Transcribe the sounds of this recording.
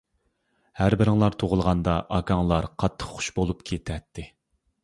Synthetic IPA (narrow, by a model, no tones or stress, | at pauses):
hæɾbɪɾɪŋlˠɑɾt̪ʰoʁʊlˠʁɑnd̪ɑʔɑkʰɑŋlˠɑɾqʰɑt̪ʰːə̥χχʊ̥ʃbolˠupkʲʰet̪ʰɛt̪ʰːɪ